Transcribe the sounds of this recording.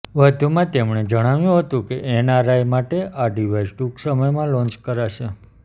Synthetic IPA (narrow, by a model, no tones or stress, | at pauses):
ʋəd̪ʱumãt̪emɳed͡ʒəɽ̃aʋjũɦət̪ũkeʔenaɾajmaʈeʔaɖiʋajzʈuksəməjmãlɔ̃nt͡ʃkəɾaʃe